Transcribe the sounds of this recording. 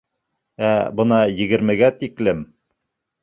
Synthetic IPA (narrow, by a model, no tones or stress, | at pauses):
æbɤ̆nɑjɘ̆ɡɘ̆ɾmɘ̆ɡæt̪iklɘm